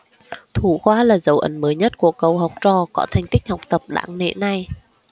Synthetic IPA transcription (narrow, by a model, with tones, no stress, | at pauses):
t̪ʰu˧˩xwaː˧laː˨˩zə˨˦wʔə̰˨˦nməː˨˦jɲə˦˥t̚ku˧˩əkə˨˩wɦa˨˩wk͡p̚t͡ɕɔ˨˩kɔ˧˨˦t̪ʰa˨˩jŋ̟t̪ï˦˥k̟̚ha˨˩wk͡p̚t̪ə˨˩p̚ɗa̰ː˧˥ŋnḛ˧˥na˨˩j